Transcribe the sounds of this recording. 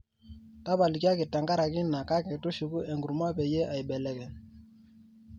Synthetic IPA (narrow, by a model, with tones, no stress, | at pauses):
ta˦ba˨li˨ka˦kɪ˨ta˨ŋɡa˦ɾa˨kɪ˦na˨ka˦kɛ˨tu˦ʃu˨ku˦ʔe˨ŋɡu˨ɾma˦pɛ˨je˦ʔa˨jbɛ˨lɛ˨kɛ˨